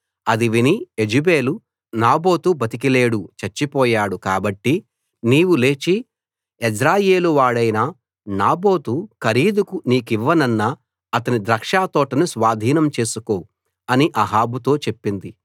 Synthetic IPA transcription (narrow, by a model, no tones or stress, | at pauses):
ɐd̪iʋinied͡ʒibe̞ːlu | naːbo̞ːt̪ubɐt̪ik̬ile̞ːɽut͡ʃɐɾt͡ʃːipɔːjaːɽukaːbɐʈːi | niːwule̞ːt͡ʃi | ed͡ʒɾaːje̞ːluʋaːɽɐjnaː | naːbo̞ːt̪ukɐɾiːd̪ukuniːkiʋːɐnɐnːɐ | ɐt̪ɐnid̪ɾɐkʂaːt̪ɔːʈɐnusʋaːd̪ʱiːnɐmt͡ʃe̞ːsuko̞ː | ɐniʔɐɦaːbut̪o̞ːt͡ʃe̞pːind̪i